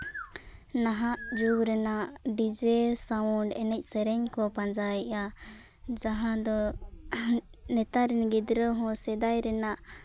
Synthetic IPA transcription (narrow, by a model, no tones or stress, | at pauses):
naɦaʔd͡ʒuɡɾɛnaʔɖid͡ʒɛsawɔɳɖɛnɛc̚ˀsɛɾɛɲkɔpand͡ʒaja | d͡ʒaɦãd̪ɔ | nɛt̪aɾɛnɡɛd̪ɾəɦɔ̃sɛd̪ajɾɛnaʔ